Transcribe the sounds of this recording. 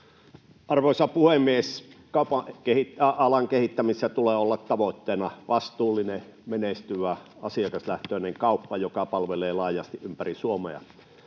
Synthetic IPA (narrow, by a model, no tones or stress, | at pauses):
ɑrʋoˑsɑpuhemːieskɑupɑkehit̪ɑɑlɑŋkehit̪ːæmisːæt̪uleːolːɑt̪t̪ɑʋot̪ːeːnɑʋɑst̪uːlːˑinemenest̪yʋæ | ɑsiɑkɑslæht̪øːneŋkɑˑupːɑjokɑpɑlʋeleːlɑːjɑst̪iʔʔympærisuomḛɑ̰